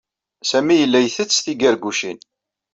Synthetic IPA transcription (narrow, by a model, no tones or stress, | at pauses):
sæmijəlːæjθət͡sθiɡæɾɡʷuʃin